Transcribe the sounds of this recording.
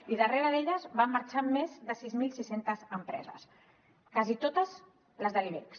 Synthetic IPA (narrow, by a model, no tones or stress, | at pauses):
iðəreɾəðeʎəzβamːəɾt͡ʃamːezðəsizmilˠsisent̪əzəmpɾɛ̰zə̰s | kazit̪ot̪əz | ləzðəliβḛks